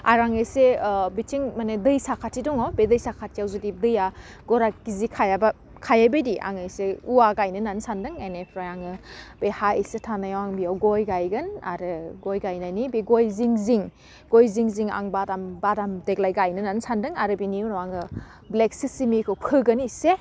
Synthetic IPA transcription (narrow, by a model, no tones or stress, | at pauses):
a̰ɾaŋɯjsebitʰiŋmanedɯjsakʰatʰːidɔŋɔbedɯjsakʰatʰijawzudidɯja | ɡ̥ɔɾaɡizikʰajaba | kʰajabɯjdiʔa̰ŋɯjseuwaɡajnɯnansandɯŋenepʰɾajaŋɯbehaijsetʰanajawaŋbiawɡɔjɡajɡɯna̰ɾɯɡɔjɡajnajnibiɡojziŋziŋ | ɡojziŋziŋa̰ŋbadambadamdek̚lajɡajnɯnansandɯŋaɾɯbiniunɔwaŋɯ | blek̚sisimikʰɯwpʰɯɡɯnise